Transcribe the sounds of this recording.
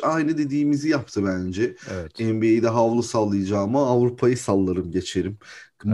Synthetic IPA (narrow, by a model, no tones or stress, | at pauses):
ajnɯd̪e̞d̪iːmizijap̚t̪ʰɯbænd͡ʒɛɛt̪ɛmbiejd̪ɛɦavlˠusalˠːɯjɯd͡ʒaːmɯːvɾupʰajɯsalˠːaɾɯmɟe̞t͡ʃʰe̞ɾim